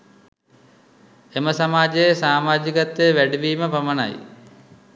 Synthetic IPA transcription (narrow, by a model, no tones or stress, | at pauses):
eməsamaːd͡ʒəsaːmaːd͡ʒikat̪ːeʋæɖiʋiːməpaməna̰j